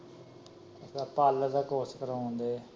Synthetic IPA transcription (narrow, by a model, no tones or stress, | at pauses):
əsaːpaːld̪aːkoːskəɾõːnd̪eː